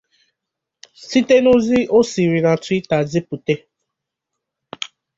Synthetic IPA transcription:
si˦te˦no˦zi˦o˦si˨ɾi˨nã˨ti˦ta˨zi˦pu˨te˦

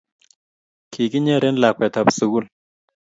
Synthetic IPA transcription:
kʰi˨ki˦ɲe˦ɾe˦nla˨kʷɛ˨t̪a˨psu˨ɡu˦l

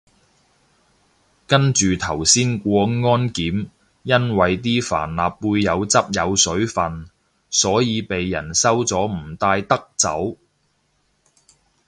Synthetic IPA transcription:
kɐ˥nt͡ʃyː˨t̪ʰɐ˨˩wsiː˥nkʷɔː˧ŋɔː˥nkiː˨˥m | jɐ˥nwɐ˨jt̪̬iː˥fa̰ː˨˩nlaː˨pːuː˧jːɐ˨˧wt͡sɐ˥p̚jɐ˨˧wsɵ˨˥ɥfɐ˨n | sɔː˨˥jiː˨˧pe˨jːɐ˨˩nsɐ˥wt͡sɔː˨˥m̩˨˩t̪aː˧jt̪ɐ˥k̚t͡sɐ̰˨˥w

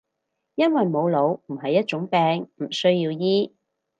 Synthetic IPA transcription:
jɐ˥nwɐ˨jmo˨˧wlo˨˧wm̩˨˩ɦɐ˨jːɐ˥t̚t͡ʃʊ˨˥ŋpɛː˧ŋm̩˨˩sɵ˥ɥjiː˧wjiː˥

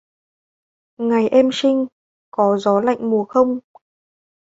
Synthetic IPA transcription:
ŋa˨˩jʔɛ˧msï˧ŋ̟ | kɔ˨˦zɔ˨˦la̰˧˨jŋ̟mu˨˩əxə˧wŋ͡m

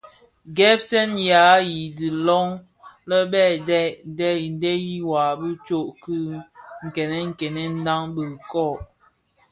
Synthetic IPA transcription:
ɡɛ˦p̚sɛ˦nja˨˦ji˨di˨lɔ˦ŋ | lə˦bɛ˦˨dɛ˦dɛ˦˨n˨˦dɛ˦ji˦wa˨bi˦t͡ʃo˦˨ʔki˦ŋ̩˨kɛ˨nɛ˦ŋ̩˨kɛ˨nɛ˦n̩˦da˦ŋbə˨kɔ˦˨

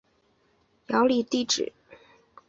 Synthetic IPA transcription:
jɑ˧˥ʊli˨˩t̪i˥˩ʈ͡ʂɻ̩̰˨˩˦

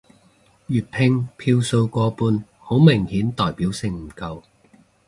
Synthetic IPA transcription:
jyː˨t̚pʰɪ˧ŋpʰiː˧wso˧wkɔː˧puː˧n | ho˨˥wmɪ˨˩ŋhiː˨˥nt̪ɔː˨jpiː˨˥wsɪ˧ŋm̩˨˩kɐ˧w

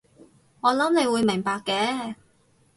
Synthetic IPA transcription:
ŋɔː˨˧lɐ˨˥mne˨˧jwuː˨˧jmɪ˨˩ŋpaː˨˧kːɛː˨˥

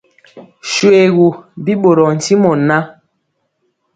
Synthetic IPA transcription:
ʃwe˨ɣu˨bi˦ɓo˨ɾɔ˨n̩˨ti˦mɔ˨na˦

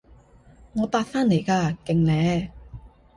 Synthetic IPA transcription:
ŋɔː˨˧paː˧t̚faː˥nle˨˩jkaː˧kɪ˨ŋlɛː˨˧

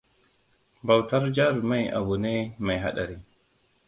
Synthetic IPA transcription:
ba˨wta˦ɾd͡ʒa˦ɾma˦jʔa̰˨bu˨ne˦ma˨jɦa̰˦ɗa˨ɾi˦

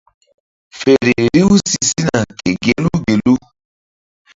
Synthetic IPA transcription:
fe˨ɾi˨ɾi˦u˦si˨si˦na˨ke˨ɡe˨lu˦ɡe˨lu˦

